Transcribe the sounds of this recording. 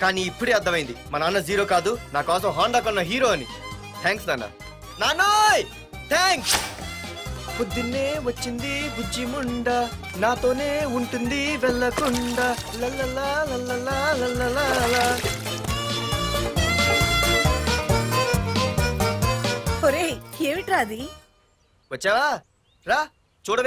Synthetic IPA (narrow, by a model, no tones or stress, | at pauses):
kaːniːpːuɽeɐd̪ːɐmɐjind̪imɐnɐɐnːɐziːɾo̞ːkaːd̪unaːkaːs̬ɐmɦaːɳɖaːkɔnːɐɦiːɾoːɐni | t̪ʰaːŋksla̰na̰ | naːnoj | t̪ʰaːŋks | pod̪ːinːeːʋɐt͡ʃːind̪ibud͡ʒːimuɳɖa | naːt̪o̞ːne̞ːuɳʈund̪iʋɛlːɐkʊɳɖa | lɐlːɐlalɐlːɐlːalɐlːɐlala | oɾekeːʋiʈɾaːd̪i | ʋɐtːt͡ʃaʋa | ɾa | t͡ʃoːɽʋ